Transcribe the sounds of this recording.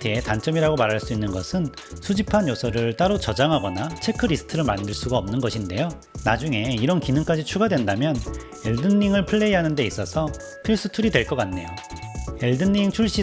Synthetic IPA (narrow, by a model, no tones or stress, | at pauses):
tʰɯetant͡ɕ͈ʌmiɾaɡomaɾɦaɭs͈uinːɯnɡʌsʰɯnsʰud͡ʑipʰanjosʰʌɾɯɭt͈aɾot͡ɕʌd͡ʑaŋɦaɡʌnat͡ɕʰe̞kʰɯɾisʰɯ̥tʰɯɾɯɭmandɯɭs͈uɡaʌmnɯnɡʌɕʰinde̞jo | nad͡ʑuŋe̞iɾʌnkinɯŋk͈ad͡ʑit͡ɕʰuɡadwe̞ndamjʌn | eɭdɯnːiŋɯɭpʰɯɭːe̞iɦanɯnde̞is͈ʌsʰʌ | pʰiɭs͈ɯtʰuɾidwe̞ɭk͈ʌk͈anːe̞joeɭdɯnːiŋt͡ɕʰuɭɕ͈i